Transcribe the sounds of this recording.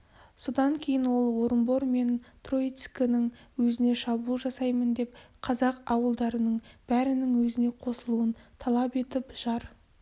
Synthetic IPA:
so̞d̪ɑŋkʲʰe̞jɪnwo̞lˠwoɾəmbo̞ɾme̞nt̪rot̪skənɪŋwɵzɪne̞ʃɑbulˠʒɑsɑjmənd̪e̞pqʰɑzɑqɑwəlˠd̪ɑɾənəɴb̥æɾɪnɪŋwɵzɪne̞qʰo̞səlˠuənt̪ʰɑlˠɑpe̞t̪ɪpʒ̥ɑɾ

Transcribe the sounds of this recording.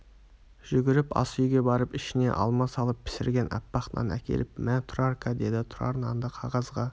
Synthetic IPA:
ʒ̥ʏɡʲɪɾɪpɑ̰sʏjɡʲe̞bɑɾəpɪʃɪne̞̰ʔɑ̰lˠmɑsɑlˠəpʰːɪ̥sɪɾɡʲe̞nʔɑ̰pːɑqt̪nɑ̰næ̰kʲʰe̞̰lɪpmænt̪ʰɾarkad̪e̞d̪ɪt̪ʰʊɾɑ̰ɾənɑnd̪əqʰɑʁɑzʁɑ

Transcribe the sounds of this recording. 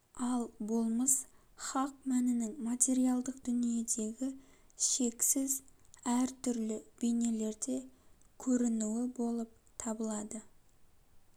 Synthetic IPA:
ɑlˠbo̞lˠməs | χɑq̚mænɪnɪŋmat̪ʲe̞ɾijɑlˠd̪əqd̪ʏnije̞d̪e̞ɡʲɪʃe̞ksɪzæɾt̪ʰʏɾlɪb̥ene̞le̞ɾd̪e̞kʲʰɵɾɪnuɪbo̞lˠəp̚ | t̪ʰɑbəlˠɑd̪ə

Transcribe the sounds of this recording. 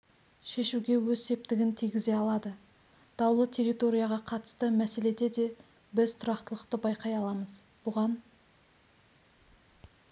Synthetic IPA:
ʃe̞ʃuɡʲe̞wɵzse̞p̚t̪ɪɡʲɪnt̪ʰijɡʲɪze̞ɑlˠɑd̪ə | d̪̥ɑwlˠət̪ʰe̞rit̪o̞ɾijɑʁɑqʰɑt̪ə̥st̪əmæse̞le̞d̪e̞d̪e̞ | bɪzt̪ʰʊɾɑqt̪əlˠəqt̪əbɑjqɑjɑlˠɑməz | b̥ʊʁɑn

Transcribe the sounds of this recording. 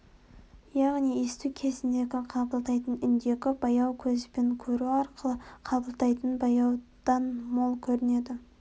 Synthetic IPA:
jɑʁnijest̪ukʲʰe̞zɪnd̪e̞ɡʲɪqʰɑbəlˠt̪ɑjt̪ənʏnd̪e̞kʲɪbɑjɑwkʲʰɵzbe̞ŋkʲʰɵɾuɑɾqəlˠəqʰɑbəlˠt̪ɑjt̪ənbɑjɑwd̪̥ɑnmo̞lˠkʲʰɵɾɪne̞d̪ɪ

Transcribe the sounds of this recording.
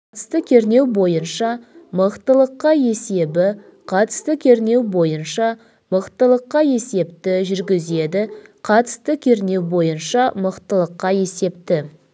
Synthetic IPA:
qʰɑt̪əst̪əkʲʰe̞ɾne̞wbo̞jənʃɑməqt̪əlˠəqːɑje̞se̞bɪ | qʰɑt̪ə̥st̪əkʲʰe̞ɾne̞wbo̞jənʃɑ | məqt̪əlˠəqːɑje̞se̞pt̪ɪʒʏɾɡʲɪze̞d̪ɪqʰɑt̪ə̥st̪əkʲʰe̞ɾne̞wbo̞jənʃɑməqt̪əlˠəqːɑje̞se̞p̚t̪ɪ

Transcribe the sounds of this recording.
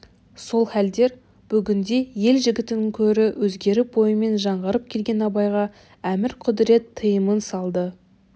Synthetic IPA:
so̞lˠhæld̪e̞ɾ | b̥ʏɡʲɪnd̪e̞je̞lʒɪɡʲɪt̪ɪnɪŋkʲʰɵɾɪwʔɵzɡʲe̞ɾɪbo̞jəme̞nʒɑɴʁəɾəp̚kʲʰe̞lɡʲe̞nɑbɑjʁɑ | æmɪɾqʰʊd̪ɪɾe̞t̪ʰːəjəmənsɑlˠd̪ə

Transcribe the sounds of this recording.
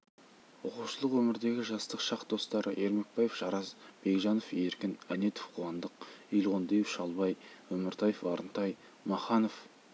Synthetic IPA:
ʊquwʃəlˠəqwɵmɪɾd̪e̞ɡʲɪʒɑst̪əqʃɑqd̪o̞st̪ɑɾʔəʔe̞ɾme̞k̚bɑjefʒ̥ɑɾɑzb̥e̞kʒɑno̞fe̞ɾkʲɪnæne̞t̪o̥fqʰuɑnd̪əq̚ijlˠʁond̪ejefʃɑlˠbɑjwɵmɪɾt̪ʰɑjefɑɾənt̪ɑj | mɑχɑnof

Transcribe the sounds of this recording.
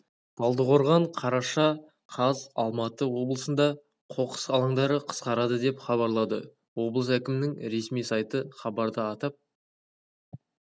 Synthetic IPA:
d̪̥ʰɑlˠd̪əqʰo̞ɾʁɑɴqʰɑɾɑʃɑ | qʰɑzɑ̰lˠmɑt̪əwo̞blˠəsənd̪ɑ | qʰo̞qə̥sɑlˠɑɴd̪ɑɾəqʰə̥sqɑɾɑd̪əd̪e̞pχɑβɑɾlˠɑd̪ə̰ | wo̞blˠəs̬ækʲɪmɪnɪŋɾe̞smijsɑjt̪əχɑbɑɾd̪əɑt̪ɑp̚

